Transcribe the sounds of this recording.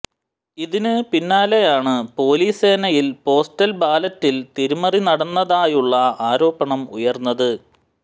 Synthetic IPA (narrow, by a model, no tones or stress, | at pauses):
iðinɨpinːaːle̞jaːɳɨpo̞ːliːse̞ːnɐjilpo̞ːstɐlbaːlɐtːilt̪iɾumɐrinɐɽɐnːɐðaːjuɭːɐaːɾo̞ːbɐɳɐmṵjɐrnːɐðɨ